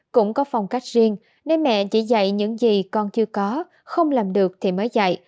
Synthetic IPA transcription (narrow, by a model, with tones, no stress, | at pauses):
kʊ̰˧˥ŋ͡mkɔ˨˦fa˨˩wŋ͡mka˦˥jk̟̚zi˧ən | ne˧nmɛ̰˧˨t͡ɕḭ˧˩za̰˧˨jɲɨ̰˧˥ŋzi˨˩kɔ˧nt͡ɕɨ˧əkɔ˨˦ | xə˧wŋ͡mlaː˨˩mɗɨ˨˩ək̚t̪ʰi˨˩məː˨˦jza̰˧˨j